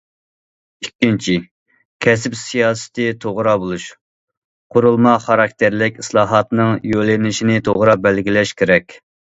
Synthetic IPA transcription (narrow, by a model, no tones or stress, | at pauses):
ikʲːint͡ʃʰi | kʲʰɛs̬ɪpsijɑːsɨ̥t̪ʰɨt̪ʰoʁɾɑbolˠuʃ | qʰʊɾulˠmɑχɑɾɑk̚ʲt̪ʰɪɾlɪkʲislˠɑːɦɑt̪nɨŋjølɪnɪʃinɪt̪ʰoʁɾɑbɛlɡʲilɛʃkʲʰeɾɛkʲ